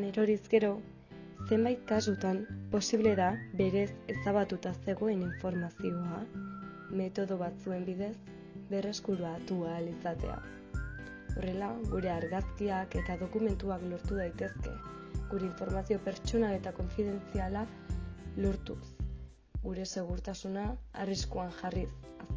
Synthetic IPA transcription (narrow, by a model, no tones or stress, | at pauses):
ne̞ɾo̞ɾizɡe̞ɾo̞ | se̞mbajt̪̚kasut̪ampo̞siβle̞ðabe̞ɾe̞se̞saβat̪ut̪ase̞ɣo̞e̞niɱfo̞ɾmasio̞a | me̞t̪o̞ðo̞β̞at͡sue̞mbið̞e̞s | be̞re̞skuɾuat̪ualisat̪e̞̰a̰ | o̞re̞laɣuɾe̞aɾɣaskiake̞t̪aðo̞kume̞nt̪uaklo̞ɾt̪uðajt̪e̞ske̞̰ | ɣuɾe̞iɱfo̞ɾmasio̞pe̞ɾt͡ʃo̞nale̞t̪ako̞ɱfiðe̞nt͡siala | lo̞ɾt̪us | ɡuɾe̞se̞ɣ̞uɾt̪asuna̰ːriskuanʝaris | s